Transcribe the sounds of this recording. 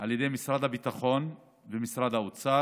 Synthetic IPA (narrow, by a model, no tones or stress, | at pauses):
ʔaljed̪ejmisʁad̪habit̪aχo̞n | vemisʁad̪aut͡sa